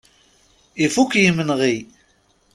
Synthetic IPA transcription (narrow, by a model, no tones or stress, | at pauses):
ifukjimənʁi